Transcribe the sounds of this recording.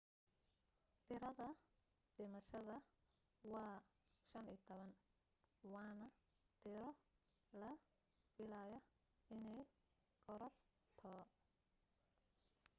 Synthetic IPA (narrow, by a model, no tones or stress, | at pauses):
t̪ʰɪɾɐðɐ | ɖɪmɐʃɐðɐ | wɑːʃɐniːt̪ʰɔβɐn | wɑːnɐt̪ʰɪɾɔlɐ | fɪlajɐ | ɪnɛj | ɡɔɾɐr | t̪ʰɔ